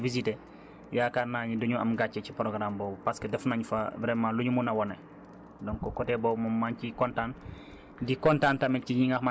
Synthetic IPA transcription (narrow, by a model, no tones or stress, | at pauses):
vizite | jaːkarnaːɲiduɲuɐmɡat͡ʃːecipɾoɡɾambɔːpaskedɛfnaɲufa̰vɾɛmãluɲumunɐwɔnɛ | dɔŋkɔkɔtebɔːmɔmːancikɔntan | dikɔntantɐmɛciɲiŋaxma